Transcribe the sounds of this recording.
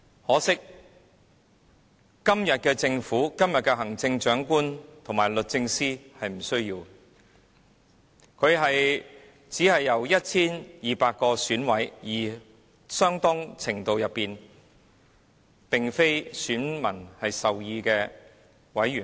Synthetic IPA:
hɔː˨˥sɪ˥k̚ | kɐ˥mjɐ˨t̚kɛː˧t͡sɪ˧ŋfuː˨˥kɐ˥mjɐ˨t̚kɛː˧ɦɐ˨˩ŋt͡sɪ˧ŋt͡ʃœː˨˥ŋkuː˥nt̪ʰo˨˩ŋmaː˨˩jlɵ˨t̚t͡sɪ˧ŋsiː˥hɐ˨jm̩˨˩sɵ˥ɥjiː˧w | kʰɵ˨˧ɥɦɐ˨j | t͡siː˨˥hɐ˨jːɐ˨˩wjɐ˥t̚t͡sʰiː˥njiː˨paː˧t̚kɔː˧syː˨˥nwɐ˨˥jjiː˨˩ | sœː˥ŋt̪ɔː˥ŋt͡sʰɪ˨˩ŋt̪o˨wjɐ˨pːiː˨n | pɪ˨ŋfe˥jsyː˨˥nmɐ˨˩nhɐ˨jsɐ˨wjiː˧kɛː˧ | wɐ˨˥jɥyː˨˩n

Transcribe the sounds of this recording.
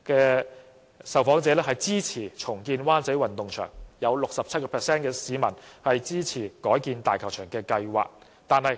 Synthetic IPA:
kɛː˧ | sɐ˨˩wfɔː˨˥ŋt͡sɛː˨˧˥lɛː˥ɦɐ˨˩jt͡siː˥t͡sʰiː˨˩t͡sʰʊ˨˩ŋkiː˧nwaː˥nt͡sɐ˨˥jwɐ˨nt̪ʊ˨ŋt͡ʃʰœ̰ː˨˩ŋjɐ˨˧wlʊ˨k̚sɐ˨p̚t͡sʰɐ˥t̚kɔː˧pʰɛː˨k̚sɛː˥nkɛː˧siː˨˧mɐ˨˩nhɐ˨jt͡siː˥t͡sʰiː˨˩kɔː˨˥jkiː˧nt̪aː˨jkʰɐ˨˩w̚t͡ʃʰœː˨˩ŋkɛː˧kɐ˧jwa̰ː˨˩k̚ | t̪aː˨nhɐ˨j

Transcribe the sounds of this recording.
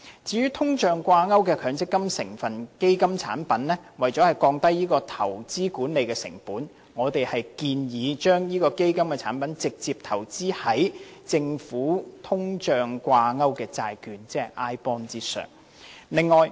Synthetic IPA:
t͡siː˧jyː˥t̪ʰʊ˥ŋt͡ʃœː˨ŋkʷaː˧ŋɐ˥wkɛː˧kʰœː˨˧˥ŋt͡sɪ˥kːɐ˥msɪ˨˩ŋfɐ˨nke˥jkɐ˥mt͡sʰa̰ː˨˥npɐ˨˥nlɛː˥wɐ˨jt͡ʃɔ˨˥hɐ˨jkɔː˧ŋt̪ɐ˥jːiː˥kɔː˧t̪ʰɐ̰˨˩wt͡siː˥kuː˨˥nle˨˧jkɛː˧sɪ̰˨˩ŋpuː˨˥n | ŋɔː˨˧t̪e˨jhɐ˨jkiː˧njiː˨˧t͡ʃœː˥ŋjiː˥kɔː˧ke˥jkɐ˥mkɛː˧t͡sʰa̰ː˨˥npɐ˨˥nt͡sɪ˨k̚t͡siː˨p̚t̪ʰɐ˨˩wt͡siː˥hɐ˨˥jt͡sɪ˧ŋfuː˨˥t̪ʰʊ˥ŋt͡ʃœː˨ŋkʷaː˧ŋɐ˥wkɛː˧t͡saː˧jkyː˨˧nt͡sɛː˥˨˩ʔaː˥jpɔː˥nt͡siː˥sœ̰ː˨˩ŋ | lɪ˨ŋːɔː˨j

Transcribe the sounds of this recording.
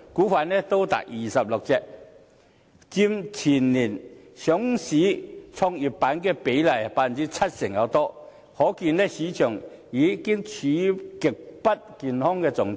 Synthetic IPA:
kuː˨˥faː˨nːɛ˥t̪o˥wt̪a̰ː˨k̚jiː˨˩sɐ˨p̚lʊ˨k̚t͡sɛː˨˧˩k̚ | t͡si˧mt͡sʰiː˨˩nliː˨˩nsjɔ˨˥ŋsiː˨˥t͡sʰɔ˧ŋi˨˩ppːaː˨˥nkɛː˧pe˨˥jlɐ˨˩jpaː˨˧˩n˨t͡siː˨˥t͡sʰɐ˥t̚sɪ˨˩ŋjɐ˨˧wt̪ɔː˥ | hɔː˨˥kiː˧nɛ˥siː˨˥t͡ʃʰœː˨˩ŋjiː˨˥kɪ˥ŋt͡sʰiː˨˥kɪ˨˩k̚pɐ˥t̚kiː˨nhɔː˥ŋkɛː˧t͡sʊ˨˩ŋtʰ

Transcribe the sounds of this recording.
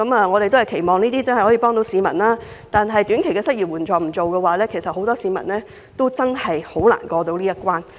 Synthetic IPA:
kɐ˨˥mɐː˨˧ŋɔː˨˧ɾe˨jt̪o˥hɐ˨jkʰe˨˩jmɔː˨˩ŋniː˥t̪iː˥t͡sɐ˥nhjhɔː˨˥iː˨pɔː˥ŋt̪o˨˥wsiː˨˧mɐ̰˨˩nlaː˥ | t̪aː˨nɦɐ˨jt̪yː˨˥nkʰe˨˩kɛː˧sɐ˥k̚jiː˨t̚wuː˨˩nt͡ʃɔː˨˩m̩˨˩t͡so˨wkɛː˧waː˨˦lɛː˥kʰe˨˩jsɐ˨t̚ho˨˥wt̪ɔː˥siː˨˧mɐ̰˨˩nlɛː˥ | t̪o˥wt͡sɐ˥nhɐ˨jho˨˥wla̰ː˨˩nkɔː˧t̪o˧wliː˥jɐ˥kʷwaː˥n

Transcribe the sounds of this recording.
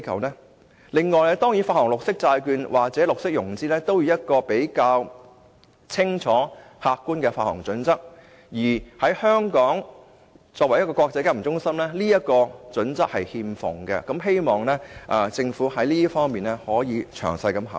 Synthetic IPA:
kʰɐ̰˨wnɛː˥ | lɪ˨˧ŋːɔː˨˩jlɛ˥t̪ɔː˥ŋji˨˥faː˧thɔː˨˩ŋlʊ˨k̚sɪ˥k̚t͡saː˧jkyː˧nwʔaː˨˩k̚t͡sɛː˨˥lʊ˨k̚sɪ˥k̚jʊ˨˩ŋt͡siː˥lɛː˥t̪o˥wjiː˧˥jɐ˥t̚kɔː˧pe˨˥jkaː˧w | t͡sʰɪ˥ŋt͡ʃʰɔː˨˥haː˧k̚kːuː˥nkɛː˧faː˧hɔ̰ː˨˩ŋt͡sɵ˨˥nt͡sɐ˥k̚ | jiː˨˩hɐ˨˥jhœː˥ŋkɔː˨˥ŋ | t͡sɔː˧wɐ˨˩jɐ˥t̚kɔː˧kɔː˧k̚t͡sɐ˧jkaː˥m̩˨˩t͡sʊ˥ŋsɐ˥mlɛː˥liː˥jɐ˥t̚kɔː˧t͡sɵ˨˥nt͡sɐ˥k̚hɐ˨jhiː˧mfʊ̰˨˩ŋkɛ̰˧kɐ˨˥mɦe˥jmɔː˨˩ŋnɛː˥ʔɐː˨˧t͡sɪ˧ŋfuː˨˥ɦɐ˨˥jliː˥fɔː˥ŋmiː˨nɛ˥hɔː˨˥jiː˨˧t͡ʃʰœ̰ː˨˩ŋsɐ˧jkɐ˧˥mɦɐ̰˨

